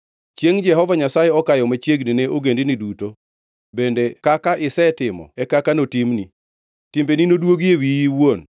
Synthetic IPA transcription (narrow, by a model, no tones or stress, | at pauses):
t͡ʃjeŋd͡ʒɛɦɔvaɲasajɛɔkajɔmat͡ʃjeɡnineʔoɡendiniduto | bendekakaʔɪsɛtɪmɔ̰ɛkakanotimni | timbeninodwoɡewijiwwon